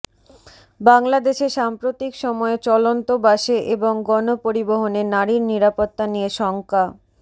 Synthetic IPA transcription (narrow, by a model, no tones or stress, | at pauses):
baŋlad̪eʃeʃampɾot̪ikʃɔmɔet͡ɕɔlont̪obaʃeʔeboŋɡɔnopoɾiboɦonenaɾiɾniɾapot̪ːanijeʃɔŋka